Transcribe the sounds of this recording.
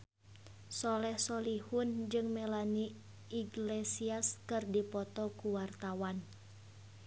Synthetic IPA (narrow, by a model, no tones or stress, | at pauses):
sɔlɛhsɔlihʊnd͡ʒɨŋmɛlani | iɡlesiaskɨrdipɔt̪ɔkuwart̪awan